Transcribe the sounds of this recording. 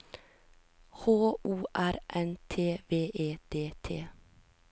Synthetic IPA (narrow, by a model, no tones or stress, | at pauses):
hoːuːʔæɾʔɛnt̪ʰeːʋeːʔeːd̪̥eːt̪ʰḛː